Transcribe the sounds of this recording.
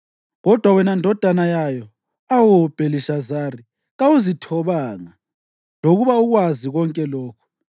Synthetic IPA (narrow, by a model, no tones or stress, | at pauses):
ɣɔd̥ʱwawɛnandʱɔd̥ʱanajajɔ | awub̥ʱeliʃazari | ɣawuzitʰɔβaŋa | loɣuβauɣwaziɣɔŋkʼɛlɔːkʰɔ̥